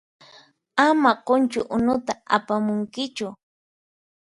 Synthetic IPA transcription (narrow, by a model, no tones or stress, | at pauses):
amaqont͡ʃʊʔʊnʊt̪aa̰pamʊŋkɪt͡ʃʊ